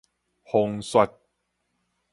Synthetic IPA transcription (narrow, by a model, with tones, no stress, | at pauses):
ho˧ŋswa˦˧t̚